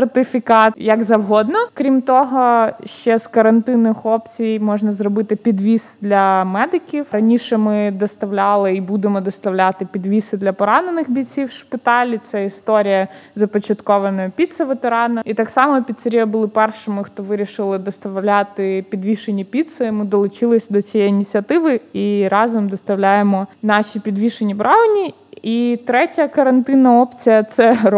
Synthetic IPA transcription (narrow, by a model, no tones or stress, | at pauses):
rt̪ɪfʲikɑt̪jɐɡzɐwɦɔd̪nɔkɾʲimt̪ɔɦɔʃt͡ʃɛzkɐɾɐnt̪ɪnɪxɔpt͡sʲijmɔʒnɐzrɔbɪt̪ɪpʲid̪ʋʲisd̪lʲɐmɛd̪ɪkʲiwɾɐnʲiʃɛmɪd̪ɔst̪ɐʋlʲɑlˠɪibud̪emɔd̪ɔst̪ɐwlʲat̪ɪpʲid̪ʋʲisɪd̪lʲɐpɔɾɑnenɪxbʲit͡sʲiwʃpɪt̪ɑlʲit̪sɛist̪ɔɾʲijɐzɐpɔt͡ʃɐt̪kɔʋɐnɔjɔpʲit̪sɐʋet̪eɾɑnɐit̪ɑksɑmɔpʲit̪sɐɾʲijɐbʊlˠɪpɛrʃɔmɪxt̪ɔʋɪɾʲiʃɪlˠɪd̪ɔst̪ɐlʲat̪ɪpʲid̪ʋʲiʃenʲipʲit̪sɐmɪd̪ɔlˠʊt͡ʃɪlˠɪsʲd̪ɔt͡sʲijɛjinʲit͡sʲiɐt̪ɪʋɪiɾɑzɔmd̪ɔst̪ɐwlʲajemɔnɑʃʲipʲid̪ʋʲiʃenʲibɾʔɑɔnʲi | it̪ɾɛtʲɐkɐɾɐnt̪ɪnɐɔpt͡sʲijɐt̪sɛ